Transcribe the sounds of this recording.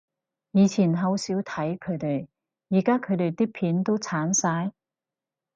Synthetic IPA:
jiː˨˧t͡sʰiː˨˩nɦɐ˨˧wsiː˨˥wt̪ʰɐ˨˥jkʰɵ˨˧ɥt̪e˨˩j | jiː˨˩kaː˥kʰɵ˨˧ɥt̪e˨˧jt̪iː˥pʰiː˨˥nt̪o˥wt͡sʰaː˨˥nsaː˧j

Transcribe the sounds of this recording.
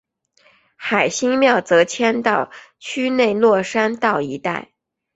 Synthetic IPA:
xa˨˩ɪɕi˥ŋmjɑ˥˩ʊt͡sɤ˧˥t͡ɕʰjɛ˥nt̪ɑ˥˩ʊ | t͡ɕʰy˥ne˥˧ɪlwɔ˥˩ʂa˥nt̪ɑ˥˩ʊi˧˥t̪a˥˩ɪ

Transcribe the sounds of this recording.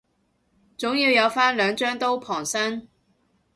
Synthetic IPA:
t͡sʊ˨˥ŋjiː˨˧wjɐ˨˧wfaː˥nlœː˨˧ŋt͡ʃœː˥ŋt̪o˥wpʰɔː˨˩ŋsɐ˥n

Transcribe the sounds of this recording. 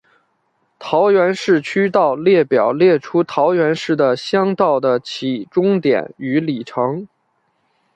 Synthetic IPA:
t̪ʰɑ˧˥ʊɥɛ˧˥nʂɻ̩˥˩t͡ɕʰy˥t̪ɑ˥˧ʊljɛ˥˩pjɑ˨˩ʊljɛ˥˩ʈ͡ʂʰu˥t̪ʰɑ˧˥ʊɥɛ˧˥nʂɻ̩˥˩d̪ə˩ɕjɑ˥ŋt̪ɑ˥˩ʊd̪ə˩t͡ɕʰi˨˩ʈ͡ʂʊ˥ŋt̪jɛ̰˨˩˦ny˧˥li˨˩ʈ͡ʂʰɤ˧˥ŋ

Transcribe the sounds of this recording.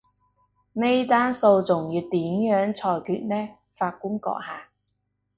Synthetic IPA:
ne˥jt̪aː˥nso˧wt͡sʊ˨˩ŋjyː˨˧t̪iː˨˥mjœː˨˥ŋt͡sʰɔː˧jkʰyː˧t̚nɛː˥ | faː˧t̚ku˥ŋkɔ̰˧k̚haː˨˩

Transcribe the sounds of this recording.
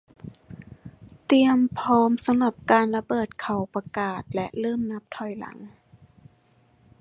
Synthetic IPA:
t̪i˧əmpʰɔː˦˥msa˧mla˧˩p̚kaː˧nla˧bɤː˨˩t̪̚kʰa˨˩wpa˧kaː˨˩t̪̚lɛ˦ʔlɤː˥˩mna˦˥p̚t̪ʰɔ˨˩jla̰˨˩˦ŋ

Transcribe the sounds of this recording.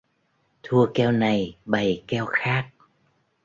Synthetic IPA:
t̪ʰu˧əkɛ˧wna˨˩jɓə˨˩jkɛ˧wxaː˦˥k̚

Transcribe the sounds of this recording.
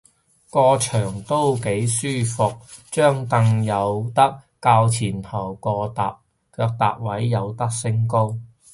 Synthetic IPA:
kɔː˧t͡ʃʰœː˨˩ŋt̪o˥wke˨˥jsyː˥fʊ˨k̚t͡ʃœː˥ŋt̪ɐ˧ŋjɐ˨˧wt̪ɐ˥k̚ːaː˧wt͡sʰiː˨˩nt̪ʰɐ˨˩wkɔː˧t̪a̰ː˨p̚ | kʰœː˧k̚t̪a̰ː˨p̚wɐ˨˥jːɐ˨˧wt̪ɐ˥k̚sɪ˥ŋko˥w

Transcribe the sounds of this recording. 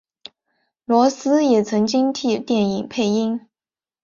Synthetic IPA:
lwɔ˧˥sɹ̩˥jɛ˨˩t͡sʰɤ˧˥ŋt͡ɕi˥ŋt̪ʰi˥˩t̪jɛ˥˩ni˨˩ŋpʰe˥˧ɪi˥ŋ

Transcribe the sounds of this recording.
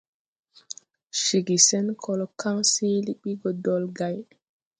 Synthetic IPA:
ʃi˨ɡi˨sɛ˦nkʰɔ˦lɔ˨ka˦ŋsiː˦li˦ɓi˦ɡɔ˨dɔ˨lɡa˨j

